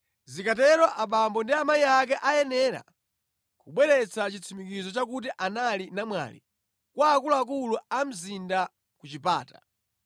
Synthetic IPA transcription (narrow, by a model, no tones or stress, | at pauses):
zikatɛɾwaʔaɓambɔndiamaiak̬ɛʔajɛnɛːɾa̰ | kuɓwɛɾɛt͡sʰat͡ʃit͡sʰimikizɔt͡ʃak̬ut̬iʔanalinamwa̰lḭ | kwaːkuluak̬uluam̩zinda | kut͡ʃipa̰ːta